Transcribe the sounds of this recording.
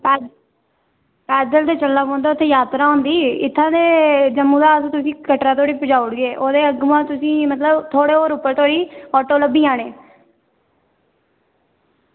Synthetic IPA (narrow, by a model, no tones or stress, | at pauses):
pɛː | pɛːd̪əlt̪eːt͡ʃəlːaːkõːnd̪aːʊt̪ʰːeːjaːt̪ɾaːɦõːnd̪iːɪt̪ʰːãːd̪eːd͡ʒəmːũːd̪aːsːt̪ʊsĩːkəʈɾãːt̪oːɽiːpɪd͡ʒaːʊɽɡeːʔoːd̪eːəɡmãːt̪ʊsĩːmət̪ləbt̪ʰoːɽeːoːɾʊpːəɾt̪ʰoːɽiːɔːʈoːləbːiːãːneː